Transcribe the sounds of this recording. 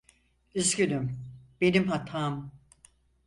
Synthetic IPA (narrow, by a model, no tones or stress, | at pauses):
yzcynymb̥enimɦat̪ʰaːm